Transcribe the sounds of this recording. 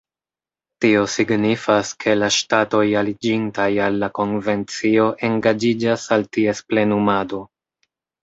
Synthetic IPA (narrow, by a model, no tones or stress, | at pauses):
tio̞siɡnifaskʰe̞laʃtato̞jalid͡ʒintajalːako̞nve̞nt͡sio̞ʔe̞ŋɡad͡ʒid͡ʒasaltie̞sple̞numado̞